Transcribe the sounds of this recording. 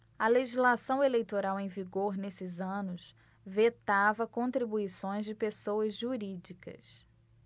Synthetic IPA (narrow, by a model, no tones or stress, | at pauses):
ɐleʒizlasɐ̃w̃elejt̪oɾawẽj̃viɡoɾnesɪzɐ̃nʊs | vet̪avɐkõt̪ɾibuisõj̃zd͡ʒɪpesowɐzʒuɾid͡ʒikɐ̰s